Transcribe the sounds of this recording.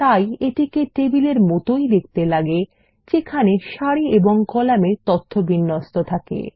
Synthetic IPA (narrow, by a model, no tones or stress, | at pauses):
t̪ajeʈikeʈebileɾmɔt̪ojd̪ek̚ʰt̪elaɡe | t͡ɕekʰaneʃaɽieboŋkɔlamet̪ɔt̪ʰːobinːost̪ot̪ʰakḛ